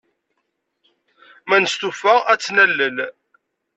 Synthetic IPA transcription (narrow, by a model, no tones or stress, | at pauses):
mænəst̪ufææt͡sːnælːəl